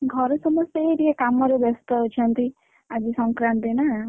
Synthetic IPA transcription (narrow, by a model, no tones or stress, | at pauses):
ɡʱɔɾɔsɔmɔst̪eɾiekamɔɾubɔst̪ɔɦut͡ʃʰʌnt̪i | ad͡ʒisɔŋkɾant̪ina